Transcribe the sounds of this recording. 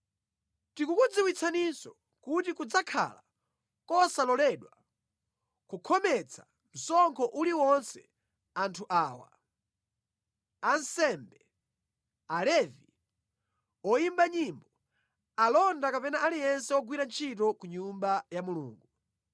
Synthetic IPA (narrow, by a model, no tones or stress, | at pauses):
tikukud͡ziwit͡sʰanisɔ | kutikud͡zakʰa̰la | kɔsalɔlɛɗwa | kukʰɔmɛt͡sʰa | n̩sɔŋkʰɔʔuliwɔnsɛ | antʰuʔaːwa̰ | ansɛmbɛ | alɛvi | ɔjimbaɲimbɔ | alɔndakapɛnaʔalijɛnsɛɔɡwiɾant͡ʃʰitɔkuɲumbajamulṵːŋɡu